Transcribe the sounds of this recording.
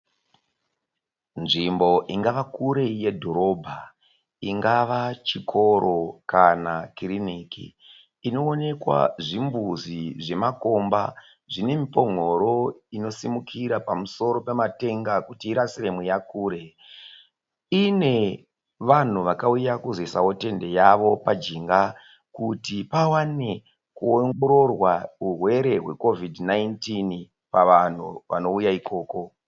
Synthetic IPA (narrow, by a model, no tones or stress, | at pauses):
nʐimbo̞ʔiŋɡaʋakuɾe̞je̞dʱo̞ɾo̞bʱa | iŋɡaʋat͡ʃikʰo̞ɾo̞kanakirinikḭː | no̞ːne̞kwa̰ʐimbuziʐe̞mako̞mba̰ | ʐine̞mipo̞ŋ̤o̞ɾo̞ino̞simukʰiɾapamuso̞ɾo̞pe̞mate̞ŋɡakutiːɾasiremwejakuːɾe̞ | ine̞ | ʋan̤uʋakaujakuzesawote̞nde̞jaʋo̞pad͡ʒiŋɡa | kutipawane̞ | kuoŋɡoɾo̞rwaurwe̞ɾe̞ɦwe̞ko̞vidnajntin | paʋan̤uʋa̰no̞ujaiko̞ːko̞